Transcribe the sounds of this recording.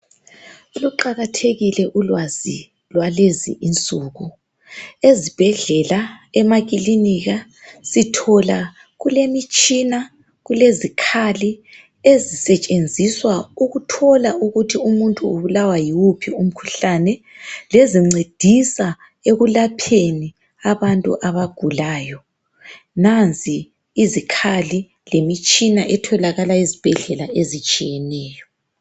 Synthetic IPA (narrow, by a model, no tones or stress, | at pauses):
uluǃaɣatʰeɣilɛʔulwazḭ | lwalezḭʔint͡sʼuːɣu | ezib̥ʱɛɮɛlaɛmaɣ̬ʼiliniɣa | sitʰɔla | ɣulemit͡ʃʼina | ɣulezikʰali | ezisɛt͡ʃʼend͡zʱiswauɣutʰɔlaʔuɣutʰiumuntʼuːβulawajiwupʰium̩kʰu̥ɬanɛ | leziŋ͡ǀed̥ʱisa | eɣulapʰeni | aβantʼṵʔaβaɡ̥ʱulaːjɔ | nant͡sʼiː | zikʰali | lemit͡ʃʼinaʔɛtʰɔlaɣalaizib̥ʱɛɮɛlaʔezit͡ʃʼijɛnɛːjɔ